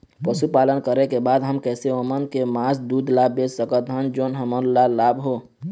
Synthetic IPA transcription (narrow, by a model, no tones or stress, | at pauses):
pəʃupaːlənkəɾekebaːd̪ɦəmkɛːseomənkemaːsd̪uːd̪laːbeːd͡ʒsəkət̪ɦənd͡ʒoːnɦəməɾlalaːbɦo